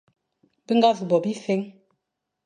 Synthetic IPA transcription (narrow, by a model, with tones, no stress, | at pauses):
bi˦ŋɡa˦vu˨bɔ˨bi˦fe˦ŋ